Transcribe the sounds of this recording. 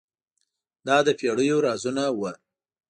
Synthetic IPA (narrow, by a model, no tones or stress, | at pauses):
d̪ɑd̪əpeɽəjoɾɑzunawə